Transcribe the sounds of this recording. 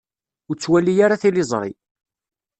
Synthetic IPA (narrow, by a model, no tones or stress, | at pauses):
ʊɾt͡sːwælːijaɾaθilɪzˤɾˤḭ